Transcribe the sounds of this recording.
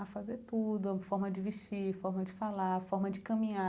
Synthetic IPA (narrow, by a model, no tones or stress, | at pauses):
afazeɾt̪ud̪ʊfɔɾmɐd͡ʒɪviʃt͡ʃifɔɾmɐd͡ʒɪfalafɔɾmɐd͡ʒɪkɐ̃mĩa